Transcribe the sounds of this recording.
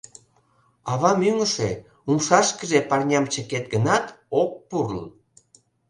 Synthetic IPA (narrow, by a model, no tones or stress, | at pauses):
ɑβɑmyŋəʃe | umʃɑʃkəʒepɑrnʲɑmt͡ɕəket̪̚ɡənɑt̪ok̚purlə̰n